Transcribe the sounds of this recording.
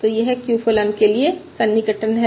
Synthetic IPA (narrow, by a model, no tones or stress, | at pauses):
t̪ojeɦɛkjufolənkeliesɐnːiɡəʈənɦɛ